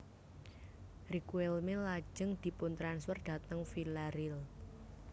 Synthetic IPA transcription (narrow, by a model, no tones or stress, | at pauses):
rikuɛlmɪlːḁd͡ʒəŋd̪̥i̤pʊnt̪ɾanswərd̪̥a̤t̪əŋfilaɾɪl